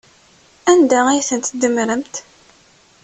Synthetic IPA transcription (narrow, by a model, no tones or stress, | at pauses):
ænd̪ææjθənt̪d̪əmɾəmt̪